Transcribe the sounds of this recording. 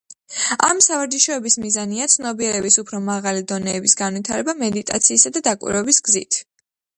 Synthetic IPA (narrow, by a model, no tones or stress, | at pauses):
a̰msavaɾd͡ʒiʃɔɛbismizaniat̪sʰnɔbiɛɾɛbisupʰɾɔmaʁalid̪ɔnɛːbisɡanwit̪ʰaɾɛbamɛd̪it̪ʼa̰t̪sʰiːsad̪ad̪akʼwḭɾwɛbisɡzḭt̪ʰ